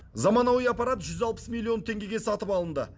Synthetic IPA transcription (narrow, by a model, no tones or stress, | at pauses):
zɑmɑnɑwijɑpɑɾat̪ʒʏzɑlˠpə̥smilʲˠːio̞nt̪ʰe̞ŋɡʲe̞ɡʲe̞sɑt̪əpɑlˠənd̪ə